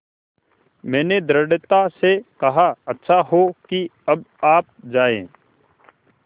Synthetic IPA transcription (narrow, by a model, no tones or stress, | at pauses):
mɛ̃ːned̪ɾəɖt̪asekɐɦaɐtːʃʰaɦokiɐbaːp̚d͡ʒaːḛ̃ː